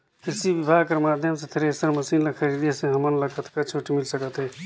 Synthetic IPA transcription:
kɪsiʋɪbʱaːɡkəɾmaːd̪ʱjəmset̪ʰeɾesəɾmɐsiːnlɐkʰəɾiːd̪esẽɦɐmənlɐkʰət̪kɐt͡ʃʰoːʈimɪlsəkət̪ɦeː

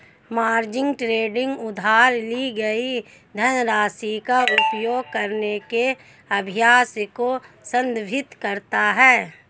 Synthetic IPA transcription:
maːɾd͡ʒɪ̃ŋɡʈɾeːɖɪ̃ŋɡʊd̪ʱaːɾliɡɐi | d̪ʱənɾaːsikaʔʊpjoːɡ̚kəɾneke | ɐbʱɪjaːskosə̃nd̪bʱɪt̪kɐɾt̪aɦɛː

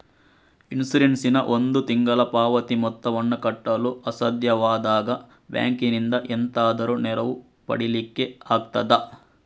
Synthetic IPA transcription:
insiɾeɳsinɐʔond̪ut̪iŋɡɐlɐpaːʋɐt̪imɔt̪ːɐʋɐnːukɐʈːɐluɐsɐd̪jɐʋaːd̪aːɡɐ | bja̰ːŋkinind̪ɐʔent̪aːd̪ɐɾunɛɾɐʋu | pɐ̰ɽilikːe̞aːɡ̚t̪ɐd̪ɐ

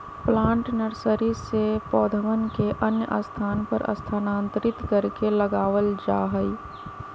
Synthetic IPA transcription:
plãːɳʈnəɾsəɾisepɔːd̪ʱəʋənkeʔənjəʔə̰st̪ʰaːnpəɾɐ̰st̪ʰanãːnt̪ɾɪt̪kəɾkeləɡaːʋəld͡ʒa̰ːɦəi

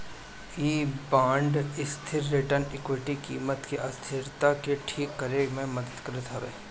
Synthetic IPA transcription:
iːbãːɳɖɪst̪ʰɪɾːɪʈəɾnɪkwɪʈikiːmət̪keʔast̪ʰɪɾt̪akeʈʰiːkːəɾemẽməd̪əd̪kəɾɪt̪ɦɐʋḛː

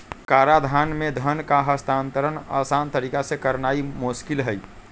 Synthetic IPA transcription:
kaɾad̪ʱanmed̪ʱənkaɦəst̪ʰant̪əɾəna̰sant̪əɾiːkasekəɾnaimoskilɦəj

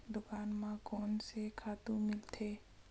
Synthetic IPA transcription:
d̪ʊkaːnmãkɔːnsekʰaːt̪ũmɪlt̪ʰeː

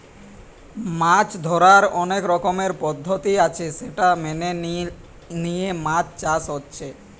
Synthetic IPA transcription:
mat͡ɕd̪ʱɔɾaɾɔnekɾɔkomeɾpɔd̪ʱːot̪iat͡ɕʰeʃeʈamene | nijemãt͡ɕt͡ɕasotːɕʰe

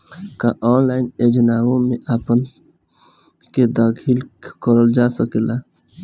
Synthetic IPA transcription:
kaʔɔːnlaːɪned͡ʒənaːwõmeʔaːpən | ked̪aɡʱilkəɾəld͡ʒasəkela

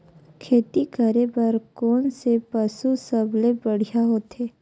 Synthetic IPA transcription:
kʰeːt̪ikəɾepəɾkoːnsepəsusəblebəɽ̤ijaɦoːt̪eː

